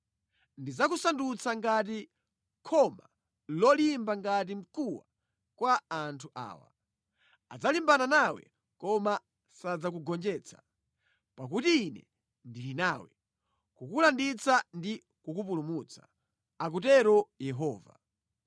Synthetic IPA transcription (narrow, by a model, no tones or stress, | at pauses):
ndid͡zakusandut͡sʰaŋɡat̬i | kʰɔma | lɔlimbaŋɡat̬im̩kuwa̰ | kwaːntʰuʔa̰ːwa̰ | ad͡zalimbananawɛ̰ | kɔma | sad͡zak̬uɡɔnd͡ʒɛːt͡sʰḁ | pak̬utiːnɛ̰ | ndilinawɛ̰ | kukulandit͡sandi | kukupulumut͡sʰḁ | ak̬ut̬ɛɾɔjɛɦɔːva̰